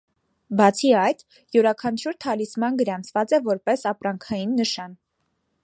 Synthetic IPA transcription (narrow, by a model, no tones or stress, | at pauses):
bɑt͡sʰiɑjt̪ | juɾɑkʰɑnt͡ʃʰuɾt̪ʰɑlismɑnɡəɾɑnt͡sʰvɑt͡sɛvɔɾpɛsɑpɾɑŋkʰɑjinːəʃɑn